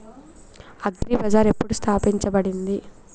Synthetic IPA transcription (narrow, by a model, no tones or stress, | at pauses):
ɐɡɾibɐd͡ʒaːɾe̞pːuɽust̪ʰaːpiɲt͡ʃɐbɐɽind̪i